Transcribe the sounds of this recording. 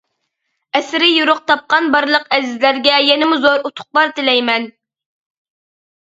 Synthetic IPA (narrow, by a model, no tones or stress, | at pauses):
ɛsɪɾɪjuɾʊq̚t̪ʰɑp̚qɑnbɑɾlˠəqɛzɪzlæɾɡʲɛjɛnɪmuzoɾut̪ʰʊ̥χ̚lˠɑɾt̪ɪlɛjmɛn